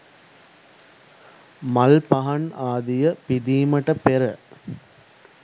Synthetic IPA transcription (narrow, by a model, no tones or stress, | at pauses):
mɐlpɐɦɐɳaːd̪ijɐpid̪iːmɐʈɐpeɾɐ